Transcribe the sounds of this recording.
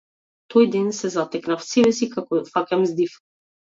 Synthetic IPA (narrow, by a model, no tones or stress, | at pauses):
t̪ɔjd̪ɛnsɛzat̪ɛknafsibɛsikakɔfakɛmzd̪if